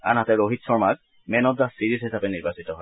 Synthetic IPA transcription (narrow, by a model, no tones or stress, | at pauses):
a̰nɦatɛɹoɦitsɔɹmaɡ | mɛnɔtzasiɹizɦisapɛniɹbasitɔɦɔj